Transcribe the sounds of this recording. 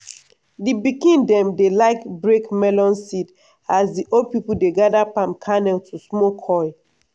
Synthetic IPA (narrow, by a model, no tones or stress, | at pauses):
dibikĩndɛ̃mdelaɪkbɹekmɛlɔ̃nsid | asdiʔod̚pipul̩deɡadapãmkʰanɛltʰusmokʰɔɪ